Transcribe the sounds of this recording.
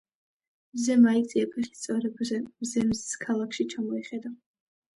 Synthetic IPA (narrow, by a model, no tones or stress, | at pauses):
mzɛmait͡ssʼiɛpʰɛχi̥st̪sʼɔɾɛbzɛmzɛmzskʰalˠakʰʃit͡ʃʰamɔɛχɛd̪a